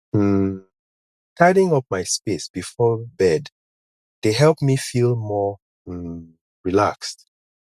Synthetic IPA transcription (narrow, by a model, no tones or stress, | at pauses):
tʰaɪɾɪ̃ŋɔp̚maɪspesb̥ifɔbɛd | d̥eɦɛlˠpmifilˠmɔ | ɹilakst